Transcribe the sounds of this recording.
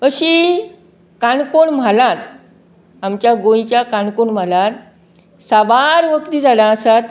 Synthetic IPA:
əɕi | kaɳkoɳm̤alãt̪ | amt͡ɕjaɡõĩt͡ɕjakaɳkoɳm̤alãt̪ | saʋaɾʋəkt̪iːd͡zaɽãəsat̪

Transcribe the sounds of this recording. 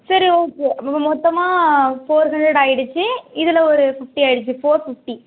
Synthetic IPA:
sɐɾioːkːeːɐmɔt̪ːɐmaːfoːɾɦɐɳɖɾɛɽaːjɪɽɯt͡ʃːɯɪðɪlɐɔɾɯfɪfʈiaːɪɽɯt͡ʃːɯfoːɾfɪfʈi

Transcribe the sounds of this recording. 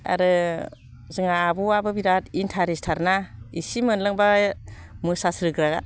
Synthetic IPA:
a̰ɾɯ | zɯŋabuabɯbiɾatintʰaɾistʰaɾnaisimɯnlɯŋba | mɯsasɾɯɡɾaɡa̰

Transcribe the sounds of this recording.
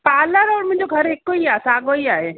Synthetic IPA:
paːləɾɔːɾmʊ̃ɲd͡ʒoɡʱɐɾeːkːoiaːsaːɡoiaːɦe

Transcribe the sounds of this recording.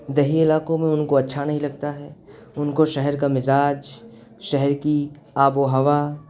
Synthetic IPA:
d̪ɐɦiɪlaːkõmẽʊnkoɐtːʃʰanɐɦĩlɐɡ̚t̪aɦɛːʊnkoʃɛɦɛɾkamɪzaːd͡ʒ | ʃɛɦɛɾki | aːboɦɐʋa

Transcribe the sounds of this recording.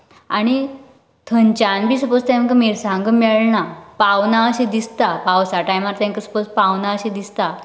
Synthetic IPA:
aɽ̃i | t̪ʰənt͡ɕãnbʱiːsəpost̪jãkəmiɾsãŋɡəmɛɭnapaʋnaəɕĩd̪ist̪apawsaʈajmaɾt̪ãŋkəsə̥pos̚pawnaəɕid̪ist̪a

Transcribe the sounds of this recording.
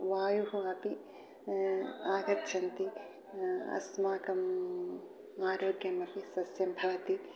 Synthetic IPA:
ʋaːjuɦuɐpi | aːɡɐɾt͡ʃʰɐnt̪i | ɐ̰smaːkɐm | aːɾoːɡjɐmɐpisɐsjɐmbʱɐʋɐt̪i

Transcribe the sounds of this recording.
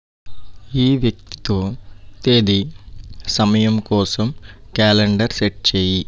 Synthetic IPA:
iːʋjɐk̚t̪i̥t̪o̞ːt̪e̞ːd̪i | sɐmɐjɐmkɔːsɐmkaːleɳɖɐɾseʈ̚t͡ʃeːji

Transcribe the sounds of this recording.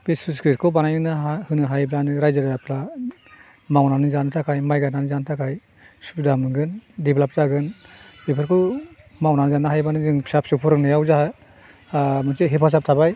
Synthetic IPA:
besuskɾit̚kʰɔwbanajɯnɯɦahɯnɯɦajblanɯɾajzaɾapʰla | mawnanɯzanɯtʰakʰajmajɡananɯzantʰakʰaj | subidamɯŋɡɯndiblap̚zaɡɯnbepʰaɾkʰɔw | mawnanɯzanɯɦajbanɯzɯŋpsap̚sɯpʰɔɾɯnɯjawzaha | mɯnseɦepʰas̬ap̚tʰabaj

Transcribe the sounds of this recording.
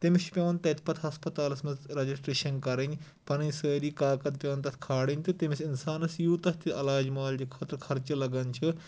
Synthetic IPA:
t̪imiʃpʲjɐːnt̪ɐt̪ʰʲpɐt̪ʰɦɐspɐt̪aːlɐsmɐzɾɐd͡ʒisʈɾeːʃɐnkɐɾɐnʲ | pɐnɐnsəːɾiːkaːkɐt̪̚pʲjɐːnt̪ɐt̪ʰʲkʰaːɽinʲt̪ɨt̪imisinsaːnɐsjuːt̪ɐt̪ʰiɐlaːd͡ʒmaːld͡ʒikʰɐt̪ɾɐkʰɐɾt͡ʃɐlɐɡɐnt͡ʃʰɨ

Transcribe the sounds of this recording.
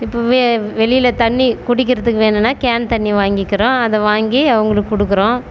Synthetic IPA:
ɪpːoːʋeːʋɛɭɪjɪlɐt̪ɐɳːikʊɽɪk̬ːɪɾɐðɯkːɯʋeːnɯnːaːkaːnt̪ɐɳːiʋaːŋɡɪkːɪɾõːɐðɐ̃ʋaːŋɡiɐʋɐŋɡɐɭɯkːɯkːʊɽɯkːɯɾõː

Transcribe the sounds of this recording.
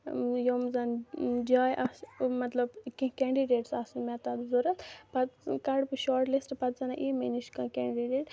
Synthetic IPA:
joːmzɐnd͡ʒaːjʔasmɐt̪lɐbkĩkɛːɳɖiɖeːʈsaːsunmɛt̪ɐd̪zoɾɐt̪pɐt̪kɐɽpɨʃɔːɾʈlisʈpɐt̪zɐnaʔiːminiʃkɐ̃kɛːɳɖiɖeːʈ

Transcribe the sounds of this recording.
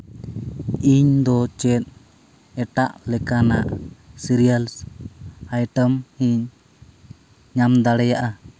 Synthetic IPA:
iɲd̪ɔt͡ʃɛt̪̚ | ɛʈaʔlɛkanaʔsiɾijals | ajʈəmhiɲ | ɲamd̪aɽɛjaʔa

